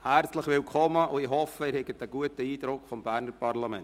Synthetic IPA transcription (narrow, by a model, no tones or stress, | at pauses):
hæɾt͡slɪχʋɪlkʰɔmːəʔʊɪhɔfəɪːɾhɛɡətəɡuətəiːdɾʊkfɔmbæɾnəɾpɑɾlamɛ̰n